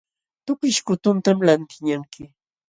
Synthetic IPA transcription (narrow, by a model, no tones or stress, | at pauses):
t̪ʊkɪʃkʊt̪ʊnt̪amlant̪ɪɲaŋkɪ